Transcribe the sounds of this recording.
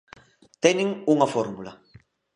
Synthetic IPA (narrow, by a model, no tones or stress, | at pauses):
t̪ɛniŋuŋafɔɾmula